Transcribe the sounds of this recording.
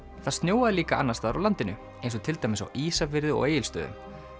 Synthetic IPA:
θaðst̪njoːwaðɪliːkaanːast̪aːðɾawlant̪ɪnʏ | ejnsɔt̪ʰɪlt̪ajmɪsa̰wʔiːsafɪɾðʏɔ̰ɣeːjɪlst̪œ̰ːðʏ̰m

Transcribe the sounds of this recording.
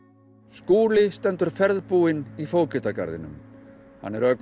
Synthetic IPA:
skuːlɪst̪ɛnt̪ʏɾ̥fɛɾðpuːɪnifoːwcʏt̪aka̰ɾðɪ̰nʏ̰m | ha̰nːɛɾœk

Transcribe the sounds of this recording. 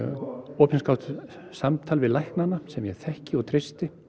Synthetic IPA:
ɔːpʰɛnskawt̪ | samt̪ʰalvɪðlajhknanasɛmjɛθɛhcɪɔɣt̪ʰɾɪst̪ɪ

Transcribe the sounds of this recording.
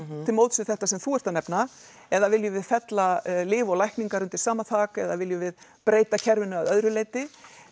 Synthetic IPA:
t̪ʰɪlmowt̪sʏ̥θɛht̪asɛmθuɛr̥t̪anɛpna | ɛðavɪljʏvɪðfɛt̪lalɪːvɔlajhkniŋkaɾʏnt̪ɪ̥saːmat̪ʰaːkɛðavɪljʏvɪð | pɾeːjt̪acʰɛɾvʏnʏaðœðɾʏleːjt̪ɪ

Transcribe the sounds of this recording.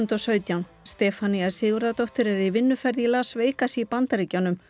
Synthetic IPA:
nt̪ɔsœːɥt̪jawn | st̪ɛːfaniasɪːɣʏɾðat̪owht̪ɪɾɛɾivɪnːʏfɛɾðilaːsveːjkasipant̪aɾiːcawnʏm

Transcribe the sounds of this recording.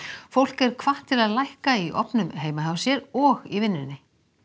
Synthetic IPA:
fowl̥kɛɾ̥kʰvaht̪ʰːɪlaðlajhkaiʔɔ̰pnʏmɦeːjmaɦavsjɛɾɔɣivɪnːɪnːɪ

